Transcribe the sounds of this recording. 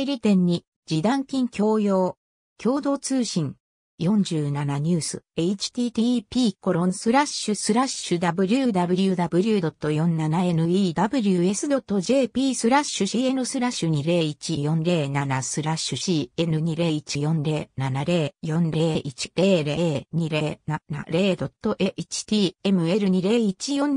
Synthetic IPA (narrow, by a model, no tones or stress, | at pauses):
ɾʲit̪ẽ̞ɲ̟ːi | d͡ʑid̪ãŋkʲĩŋkʲo̞ːjo̞ː | kʲʰo̞ːd̪o̞ːt͡sɨːɕĩŋ | jõ̞ɲ̟d͡ʑɨːnanaɲ̟ɨːsɨ̰eit͡ɕi̥t̪ʲiːt̪ʲipʲiːko̞ɾõ̞ñsɨɾaɕɯsɨɾaɕɯd̪abɯ̟ɾʲɯd̪abɯ̟ɾʲiɯ̟d̪abɯ̟ɾʲɯd̪o̞t̪ːo̞jõ̞nnːanae̞nɯ̟iːd̪abɯ̟ɾʲɯ̟e̞sɨd̪o̞t̪ːo̞ʑe̞ːpʲiːsɨɾaɕɨɕie̞nɯ̟sɨɾaɕːɯɲ̟iɾe̞ːit͡ɕijõ̞nɾe̞ːnanasɨɾaɕɯɕiːe̞nɯɲ̟iɾe̞ːit͡ɕijõ̞nɾe̞ːnanaɾe̞ːjõ̞nɾe̞ːʔit͡ɕi̥ɾe̞ːɾeːɲ̟iɾe̞ːnana̰ɾeːd̪o̞t̪ːo̞ʔeʔit͡ɕi̥t̪ʲiːe̞mɯ̟e̞ɾɯ̟ɲ̟iɾe̞ːit͡ɕijõ̞n